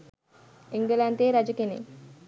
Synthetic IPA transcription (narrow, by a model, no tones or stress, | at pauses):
eŋɡəlant̪eːɾad͡ʒukenḛ